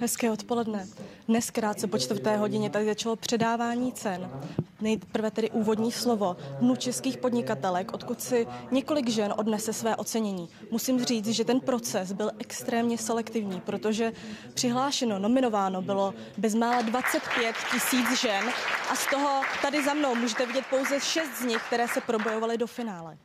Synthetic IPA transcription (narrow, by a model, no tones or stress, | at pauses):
ɦɛskɛːo̞t̪po̞lɛdnɛdnɛskɾaːt̪̚t͡sɛpo̞t͡ʃt̪vrt̪ɛːɦo̞ɟɪɲɛt̪adɪzat͡ʃalo̞pr̥ɛdaːvaːɲiːt͡sɛnnɛjpr̩vɛt̪ɛdɪʔuːvo̞dɲiːslo̞vo̞dnut͡ʃɛskiːxpo̞dɲɪkat̪ɛlɛkʔo̞t̪kut̪sɪɲɛko̞lɪɡʒɛnʔo̞dnɛsɛsvɛːʔo̞t͡sɛɲɛɲiː | musiːmr̝iːt͡s̪ʒɛt̪ɛnpɾo̞t͡sɛsbɪlʔɛkst̪ɾɛːmɲɛsɛlɛkt̪ɪvɲiːpɾo̞t̪o̞ʒɛpr̥ɪɦlaːʃɛno̞no̞mɪno̞vaːno̞bɪlo̞ | bɛzmaːlɛdvat͡sɛt̪pjɛt̪cɪsiːt͡sʒɛnʔast̪o̞ɦo̞t̪adɪzamnowmuːʒɛt̪ɛvɪɟɛt̪̚po̞wzɛʃɛst̪zɲɪxk̚t̪ɛɾɛːsɛpɾo̞bo̞jo̞valɪdo̞fɪnaːlɛ